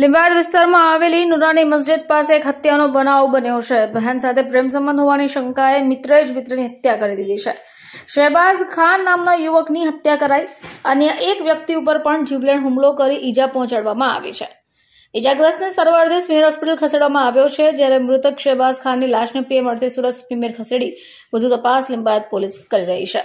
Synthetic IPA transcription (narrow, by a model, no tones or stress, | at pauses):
lɪ̃mbad̪ʋɪst̪aɾmãaʋelinuɾaniməsd͡ʒɪd̪̚paseːkɦət̪janobənaʋbənjot͡ʃʰebʱəɦjansat̪ʰepɾemsəmbə̃nd̪ʱɦoʋaniʃəŋkaemɪt̪ɾəed͡ʒmɪt̪ɾəniɦət̪jakəɾid̪id̪it͡ʃʰe | ʃebaskʰanːamnajuʋəkniɦət̪jakəɾaiənjəʔekʋjək̚t̪iup̬əɾpəɳd͡ʒiʋleɳɦumlokəɾiʔid͡ʒapɔɦɔ̃t͡ʃaɽʋamãa̰ʋḛt͡ʃʰe | id͡ʒaɡɾəsnesəɾʋaɾt̪ʰismimeɾɦɔspiʈəlkʰəseɽʋamãaʋjot͡ʃʰed͡ʒjaɾemɾʊt̪ʰəkʃebaskʰanːilaʃnəpieməɾt̪ʰisuɾəspimeɾkʰəseɽi | ʋəd̪ʱut̪əpaslimbajət̪̚poliskəɾiɾəɦit͡ʃʰe